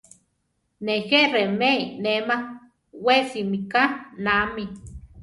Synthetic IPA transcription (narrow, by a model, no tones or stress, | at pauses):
nexeʔremeinema | wesimikanami